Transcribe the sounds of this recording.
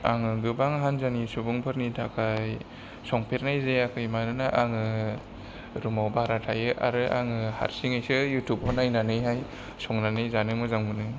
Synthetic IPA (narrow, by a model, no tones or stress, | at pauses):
a̰ŋɯɡɯbaŋɦanzanisubuŋpʰɯɾnitʰakʰaj | sɔŋpʰeɾnajzeakʰɯjmanɯnaʔaŋɯ | ɾumawbaɾatʰajɯʔa̰ɾɯʔa̰ŋɯha̰ɾsiŋajsɯjutʰupɔnajnanɯjɦaj | sɔŋnanɯjzanɯmɯzaŋmɯnɯ